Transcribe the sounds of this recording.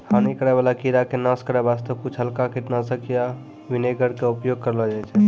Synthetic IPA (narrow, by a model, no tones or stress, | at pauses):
hʰanikəɾɛβalakiɾakenaskəɾɛbast̪əbkut͡ʃʰɦəlkakiʈ̪nasə̃kija | ʋineɡəɾkeupjoɡ̚kəɾlɔd͡ʒajt͡ʃʰɛ